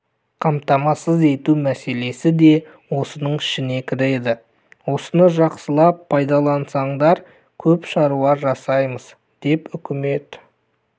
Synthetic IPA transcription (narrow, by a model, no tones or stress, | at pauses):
qʰɑmt̪ɑmɑsəze̞t̪umæse̞le̞sɪd̪e̞ | wo̞sənəɴɪ̥ʃɪne̞kʲʰɪɾed̪ɪ | wo̞sənəʒɑqsəlˠɑpʰːɑjd̪ɑlˠɑnsɑɴd̪ɑɾ | kʲʰɵpʃɑɾuɑɾʒɑsɑjməz | d̪̥e̞pʏkʲɪme̞t̪